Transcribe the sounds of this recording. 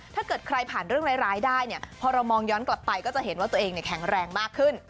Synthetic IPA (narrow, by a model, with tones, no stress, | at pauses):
t̪ʰaː˥˩kɤː˨˩t̪̚kʰɾa˧jpʰaː˨˩nɾɯ˥˩əŋɾaː˦˥ɾaː˦˥jdaː˥˩jni˥˩ɐpʰɔː˧ɾa˧wmɔː˧ŋjɔː˦˥nkla˨˩pːa˧jkɔː˥˩t͡ɕa˨˩ʔɦe˩˦nwaː˥˩t̪u˧əʔeː˧ŋni˧˩kʰɛ˩˦ŋɾɛː˧ŋmaː˥˩kʰːɯ˥˩n